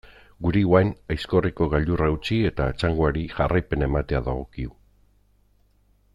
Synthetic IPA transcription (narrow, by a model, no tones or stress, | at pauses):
ɡuɾiwajnajsko̞riko̞ɣaʎd̪urauwt͡ʃie̞t̪aːt͡saŋɡoaɾiʝarʔajpe̞ne̞mat̪e̞aðaɣ̞o̞kiu